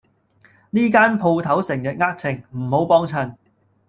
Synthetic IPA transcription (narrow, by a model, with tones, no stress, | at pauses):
niː˥kaː˥npʰo˧wt̪ʰɐ˨˥wsɪ˨˩ŋjɐ˨t̚ŋaː˥k̚t͡sʰɪ˨˩ŋm̩˨˩ho˨˥wpɔː˥ŋt͡sʰɐ˨˩n